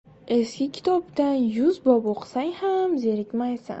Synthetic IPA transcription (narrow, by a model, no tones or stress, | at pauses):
eskʲɪkʲʰɪ̥t̪ʰɒpt̪anjʊzbɒboqʰsaŋhamzeɾɪkʲmajsa̰n